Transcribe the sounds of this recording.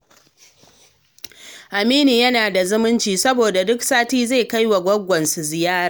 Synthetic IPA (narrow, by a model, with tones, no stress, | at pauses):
ʔa˨miː˦ni˨jɐ˦naː˨da˨zʊ˦mʊ˦nt͡ʃiː˨sɐ˦boː˨da˨dʊ˦ksaː˦tiː˦ze˦˨ka˦jwa˨ɡʷɐ˦ɡʷɐ˨nsu˨zɪ˨jaː˦ɾaː˨